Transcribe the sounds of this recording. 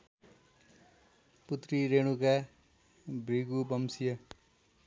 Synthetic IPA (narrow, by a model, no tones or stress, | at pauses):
put̪riɾeɽ̃uka | briɡubʌmsijʌ